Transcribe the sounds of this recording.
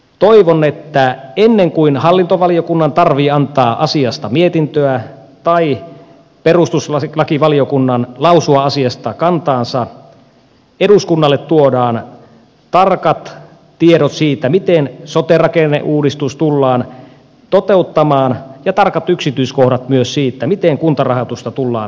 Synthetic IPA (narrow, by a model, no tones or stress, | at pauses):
t̪oiʋonːet̪ːæenːeŋkuinhɑlːint̪oʋɑliokunːɑnt̪ɑrʋiːɑnt̪ɑːʔɑsiɑst̪ɑmiet̪int̪øæt̪ɑi | perust̪usɑlɑkiʋɑliokunːɑnlɑusuɑɑsiɑst̪ɑkɑnt̪ɑːnsɑ | eduskunːɑlːet̪tuodɑːn | t̪ɑrkɑt̪ | t̪ieɾot̪siːt̪ːæmit̪ensot̪erɑkenːḛʔuːdist̪ust̪ulːɑːn | t̪ot̪eut̪ːɑmɑːnjɑt̪ɑrkɑt̪yksit̪yiskohdɑt̪myøssiːt̪ːæmit̪eŋkunt̪ɑrɑhɑt̪ust̪ɑt̪ulːɑ̰ːn